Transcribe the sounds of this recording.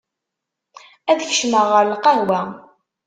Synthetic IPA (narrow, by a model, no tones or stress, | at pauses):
æðçə̥ʃməʁəɾlqɑɾwæ